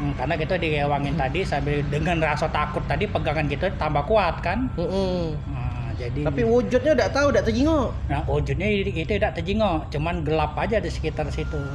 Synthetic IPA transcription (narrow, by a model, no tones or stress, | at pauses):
karnakit̪adiewaŋɪnt̪adisambɪldəŋanrasat̪akʊt̪ːadipəɡaŋankit̪at̪ambakuat̪̚kanm̩m̩ː | d͡ʒadit̪apiwud͡ʒʊt̪̚ɲaudaʔt̪audaʔt̪əd͡ʒiŋɔʔnahwud͡ʒʊt̪̚ɲait̪uidaʔt̪əd͡ʒiŋɔʔt͡ʃumanɡəlapad͡ʒadisə̥kit̪arsit̪u